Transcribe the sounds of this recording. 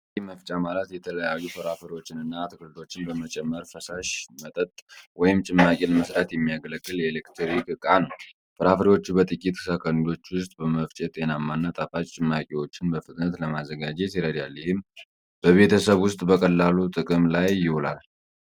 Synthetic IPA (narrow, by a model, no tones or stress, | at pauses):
iməft͡ʃʼamalat̪jɛt̪ʰələjajːufəɾafəɾiwo̞t͡ʃːɪnɨnːaːt̪ʰkʰɨlɨd̪o̞t͡ʃːɪnbəmət͡ʃʼɛmːəɾfəsaʃmət̪ʼət̪ʼwɔjɪmt͡ʃʼɪmːakʼeləməsɾat̪jɛmːijaɡələkʼːɨljɛːlekt̪ʰɾikʼɨkʼanəw | fəɾafəɾiwo̞t͡ʃːubət̪ʼɨkʼit̪sakʰənid̪o̞t͡ʃːwʊst̪ʼbəməft͡ʃʼɛt̪ʼenamːanːat̪ʼafat͡ʃʼt͡ʃʼɪmːakʼewo̞t͡ʃːɪnbəfɨt̪ʼnət̪ləmazːəɡad͡ʒesiɾəd̪jaljɛhɪm | b̥əβe̞t̪ʰəsəβwʊst̪ʼbəkʼəlːalut̪ʼɨkʼɨmlajːɪhulal